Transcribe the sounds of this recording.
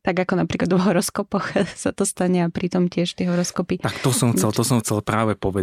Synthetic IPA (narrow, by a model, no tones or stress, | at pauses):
t̪aɡakɔnapɾiːklad̪ʋɔɦɔɾɔskɔpɔxsat̪ɔst̪aɲɛapɾʔit̪ɔmcɪɛʃt̪ɪɛɦɔɾɔskɔpit̪akt̪ɔsɔmxt͡sɛlˠt̪ɔsɔmxt͡sɛlpɾaːʋɛpɔʋɛ